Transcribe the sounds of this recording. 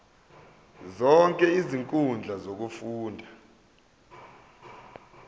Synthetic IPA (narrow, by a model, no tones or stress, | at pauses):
zɔŋkʼɛiziŋkʼund͡ɮʱazok̬ufuːndʱa